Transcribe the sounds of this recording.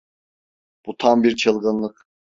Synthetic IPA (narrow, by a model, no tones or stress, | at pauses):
b̥ut̪ʰambiɾt͡ʃʰɯlˠɡɯnlˠɯk